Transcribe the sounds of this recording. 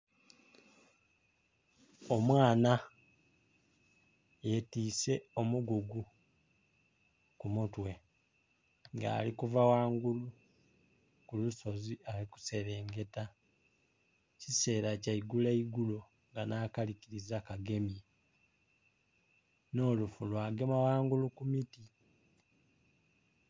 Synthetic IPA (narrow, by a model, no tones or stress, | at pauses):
o̞mwaːna | jetiːse̞o̞muɡuɡu | kumutwe̞ | ŋɡa̰ːlikuvawaːŋɡulu | kuluso̞zialiku̥se̞βe̞ːŋɡe̞ta | cise̞ːɾacaiɡuleiɡulo̞ | ŋɡanaːkaliciɾizakaɡe̞mje | no̞ːlufulwaːɡe̞mawaːŋɡulukumiti